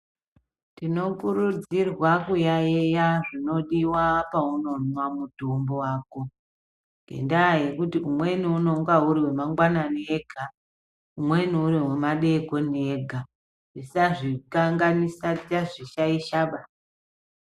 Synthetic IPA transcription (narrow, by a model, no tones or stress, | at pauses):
tino̞kuɾud͡zirwakujajejaʐino̞ɗiwapauno̞nwamutombo̞waːko̞ | ŋɡḛndajekutiumwe̞niuno̞ŋɡauɾiwe̞maŋɡwananeɡʱa | umwe̞niuɾiwemaɗe̞ko̞neɡʱa | ʐisaʐikaŋɡanisat͡ʃaʐiʃaiʃaɓasa